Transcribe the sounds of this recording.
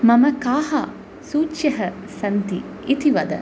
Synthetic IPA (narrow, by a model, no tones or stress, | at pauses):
mɐmɐkaːha | suːtʃɐɦə | sɐnt̪i | it̪iʋɐd̪ə̰